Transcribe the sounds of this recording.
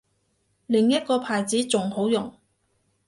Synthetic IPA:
lɪ˨˩ŋjɐ˥t̚kɔː˧pʰaː˨˩jt͡siː˨˥t͡sʊ˨ŋho˨˥wjʊ˨˩ŋ

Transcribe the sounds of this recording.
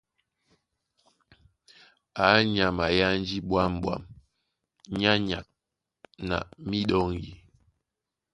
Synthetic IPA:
a˨˦ɲa˨ma˨ja˦n˦d͡ʒi˦ɓwa˦m˦ɓwa̰˦˨m | ɲa˦ɲa˨k̚ | na̰˨mi˦ɗɔ˦ŋji˨

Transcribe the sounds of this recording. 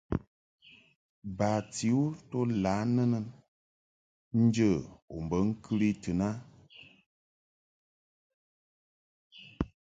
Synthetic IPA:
baː˨ti˨˦u˦to˦laː˨˦nə˦nə˨n | n̩˦d͡ʒə˦˨o̰˨m̩˨bə˨˦ŋ̩˦kʰɨ˦ɾi˦tɨ˨na˦

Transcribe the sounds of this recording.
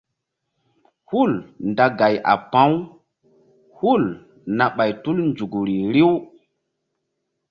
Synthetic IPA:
hu˦˨lnda˨ɡa˨jʔa̰˨pã˦w | hu˦˨l | na˨ɓa˨jtu˦lnd͡ʒu˨ɡɾi˨ɾi˦w

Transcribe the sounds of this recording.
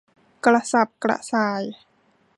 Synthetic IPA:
kla˧sa˧˩p̚kɾa̰˧saː˧j

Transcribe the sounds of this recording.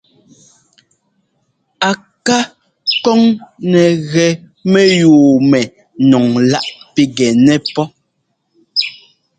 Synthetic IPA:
a˨ | ka˦ | kɔ˦ŋnɛ˨ɣɛ˨ | mɛ˦juː˨mɛ˨ | nɔ˨ŋla˦ʔpi˦ɡɛ˨nɛ˦pɔ˦

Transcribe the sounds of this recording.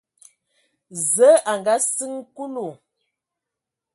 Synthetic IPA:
zə˨˦ʔa˨ŋɡa˦sɨ˦ŋ˦ku˦lu˨

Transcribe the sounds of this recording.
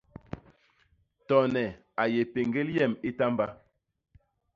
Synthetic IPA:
tɔ˨nɛ˨ | a˨je˨pe˨ŋ˨ɡe˦ljɛ˦˨mi˦ta˦mba˦

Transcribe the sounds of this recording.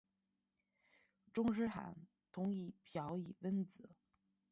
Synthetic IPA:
ʈ͡ʂʊ˥ŋʂ̬ɻ̩˥xa̰˨˩˥n | t̪ʰʊ˧˥ŋi˥˩pʰjɑ˧˥ʊi˨˩wə˥nt͡sɹ̩˨˩˦

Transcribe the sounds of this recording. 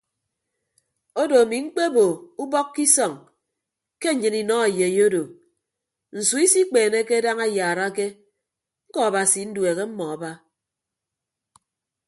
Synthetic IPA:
o˦do˨a˨mi˨ŋ͡m̩˦k͡pe˦bo˨u˦bɔ˦kːi˦sɔ˨ŋ | ke˦ɲ̩˨ɲɨ˨ni˨nɔ˦a˨je˨jo˦do˨ | n̩˨su˨˦i˦si˦k͡peː˨ne˦ke˦da˦ŋa˦jaː˨ɾa˦ke˦ | ŋ̩˦kɔ˦a˨ba˨si˨˦n̩˦dwe˨ɣe˦m̩˦mɔ˨a˨ba˦

